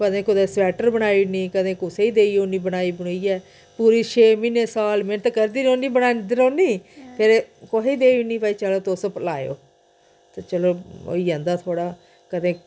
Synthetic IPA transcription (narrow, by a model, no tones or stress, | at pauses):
kəd̪ẽːkʊd̪eːsʋɛːʈəɾbənaːiːnĩːkəd̪ẽːkʊseiːd̪eːiːoːnĩːbənaːiːbəɽ̃iːɛː | puːɾiːʃʰeːminẽːsaːlmɪnət̪kəɾd̪iːnõːnĩːbənaːnd̪ɪɾoːniːpʰɪɾkoɦeːd̪eːiːnĩːpaːiːt͡ʃəloːt̪ospəlaːjo̰ː | t̪eːt͡ʃəloːo̰ːiːãːnd̪aːt̪ʰoːɽaː | kəd̪ẽː